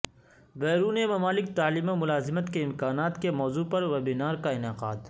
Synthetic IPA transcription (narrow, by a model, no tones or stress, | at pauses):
bɛːɾuːnemɐmaːlɪk̚t̪aːliːmamʊlaːzɪmət̪keɪmkaːnaːt̪kemɔːzuːpɐɾʋɐbɪnaːɾkaɪnɪqaːd̪